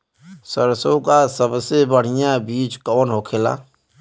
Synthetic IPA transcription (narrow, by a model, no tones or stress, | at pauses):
səɾsõkasəbsebəɽ̤ɪjabiːt͡ʃkɔːnɦokʰela̰ː